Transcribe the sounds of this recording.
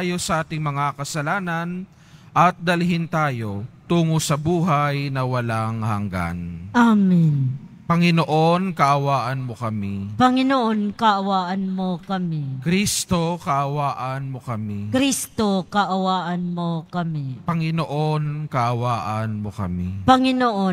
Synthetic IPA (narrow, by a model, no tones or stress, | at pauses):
ajo̞sɐʔaːt̪ɪŋmɐŋakɐsɐlaːnɐn | ʔɐt̪̚d̪ɐlɦɪnt̪aːjo̞t̪uːŋosɐbuːɦajnɐwɐlaŋhɐŋɡa̰nʔamin | pɐŋɪnoʔo̞nkɐʔɐwaːʔɐnmo̞kɐmipɐŋɪnoʔonkɐʔɐwaːʔɐnmokɐmikɾist̪o̞kɐʔɐwaːʔɐnmokɐmikɾist̪okɐʔɐwaːʔɐnmokɐmipɐŋɪno̞ʔo̞nkɐʔɐwaːʔɐnmo̞kɐ̰mipɐŋɪnoʔo